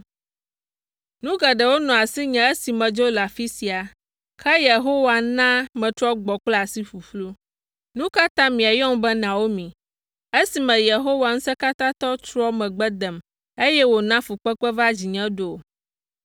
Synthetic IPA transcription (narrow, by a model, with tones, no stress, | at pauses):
nũ˦ɡɛ˨ɖɛ˨wo˦nɔ̃˨a˨si˦ɲɛ̃˨e˦si˨mɛ̃˨d͡ʒo˦la˨fi˦si˨a˨ | kʰɛ˦je˨ɦo˦wa˨nã˦mɛ̃˨t̪ɾɔ˦ɡ͡bɔ˨k͡pla˨si˦fu˨flu˦ | nũ˦ka˦t̪ã˦mĩ˨a˨jɔ˦m˦bɛ˦nã˨wo˦mĩ˨ | e˦si˨mɛ̃˨je˨ɦo˦wa˨ŋ̩̃˦sɛ˦ka˦t̪ã˦t̪ɔ˦t͡ʃɾɔ˦mɛ̃˨ɡ͡bɛ˦d̪ɛ˨m | e˦jɛ˦wo˨nã˦fu˨k͡pɛ˦k͡pɛ˦va˦d͡ʑi˨ɲɛ̃˦ɖo˨